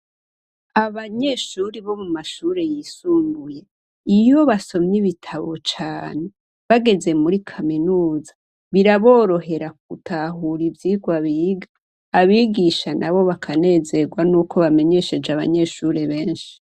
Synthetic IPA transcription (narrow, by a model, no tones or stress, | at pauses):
aβaɲe̞ʃuːɾiβo̞mumaʃuːɾe̞jiːsuːŋɡuje̞ | ijo̞βaso̞mɲiβitʰaβo̞t͡ʃaːne̞ | βaɡe̞ze̞muɾikʰaminuːzḁ | βiɾaβo̞ːɾo̞ɦe̞ɾak̚utaɦuɾivjiːɡwaβiːɡaː | βiɡiʃanʔaβo̞βakʰane̞ːze̞ɡwanuːko̞βame̞ɲe̞ʃe̞d͡ʒaβa̰ɲe̞ʃuɾe̞βe̞ːnʃi̥